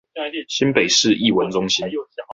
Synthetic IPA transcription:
ɕi˥npe˨˩ɪʂɻ̩˥˨ʔi˥˨wə˨˦nʈ͡ʂʊ˦˥ŋɕi˦n

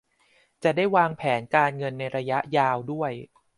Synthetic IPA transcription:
t͡ɕa˨˩daː˥˩jwaː˧ŋpʰɛː˩˦nkaː˧nŋɤ˧nːa˧jɾa˧ja˦˥ʔjaː˧wdu˥˩əj

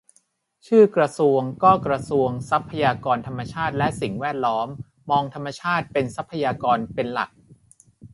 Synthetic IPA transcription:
t͡ɕʰɯː˥˩kɾa˧su˧əŋkɔː˥˩kɾa˧su˧əŋsa˦˥pʰːa˧jaː˧kɔː˧nt̪ʰa˧mːa˧t͡ɕʰaː˥˩t̪̚lɛ˦˥ʔsi˨˩ŋwɛː˥˩t̪̚lɔː˦˥mː | ɔː˧ŋt̪ʰa˧mːa˧t͡ɕʰaː˥˩t̪̚pe˧nsa˦˥pʰːa˧jaː˧kɔː˧npe˧nla̰˨˩k̚

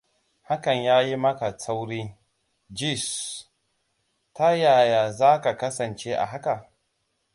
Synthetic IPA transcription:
ha˦kɐ˨ɲjaː˦ji˦mɐ˦ka˨sa˦wɽiː˦ | d͡ʒi˦˨s | ta˦jaː˨ja˨zaː˦ka˨kɐ˦sɐ˨nt͡ʃe˦ʔa̰˨ɦa˦ka˨

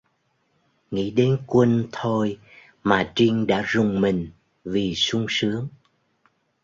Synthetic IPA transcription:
ŋḭ˧˥ɗe˨˦nkwə˧nt̪ʰo˧j | maː˨˩t͡ɕi˧ŋ̟ɗa̰ː˧˥zʊ˨˩ŋ͡mmï˨˩ŋ̟ | vi˨˩sʊ˧ŋ͡msɨ˨˦əŋ

